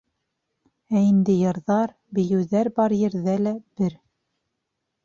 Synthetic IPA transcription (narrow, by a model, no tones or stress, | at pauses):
æind̪ɘjɤ̆ɾðɑɾ | bɘ̆jɘ̆wðæɾbɑɾjɘ̆ɾðælæb̥ɘɾ